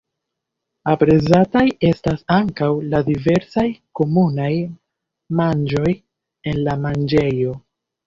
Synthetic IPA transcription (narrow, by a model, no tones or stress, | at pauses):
apɾe̞zataje̞stasaŋkawladive̞ɾsajko̞munaj | mand͡ʒo̞j | e̞nlamand͡ʒe̞jo̞